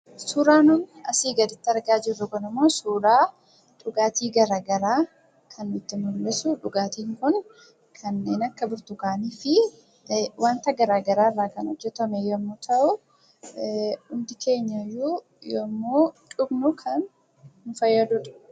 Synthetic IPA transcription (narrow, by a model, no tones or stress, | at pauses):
suːɾaːnʊnɐsiːɡɐd̪ɪt̪ːɐɾɡaːd͡ʒɪrːʊkɐnʊmːoːsuːɾaː | ᶑʊɡaːt̪iːɡɐɾaːɡɐɾaː | kʰɐnːʊɪt̪ːɪmʊɾmɛsʊᶑʊɡaːt̪iːŋkʊn | kʰɐnːeːnɐkːɐbʊɾt̪ʊkaːniːfɪ | wʔɐnt̪ɐɡɐɾaːɡɐɾaːrːaːkɐnɔd͡ʒːɛt̪ɐmɛjomːʊt̪ʰɐʔʊ | ʊmd̪ɪkʰe̞ːɲːɐjuː | jo̰ːmːoːᶑʊbnʊkʰɐnː | ʊfɐjːɐd̪ʊᶑɐ̥